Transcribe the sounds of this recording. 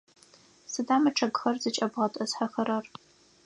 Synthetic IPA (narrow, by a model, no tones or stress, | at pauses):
sɨdaːmɐʈ͡ʂʰɐɡxɐrzɨt͡ʃʼɐbʁɐtʼɐsħaxɐɾɐr